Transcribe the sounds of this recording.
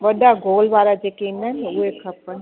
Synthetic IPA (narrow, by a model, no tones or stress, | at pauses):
ʋəɖaɡʱoːlʋaɾad͡ʒekenːaneuekʰəpːən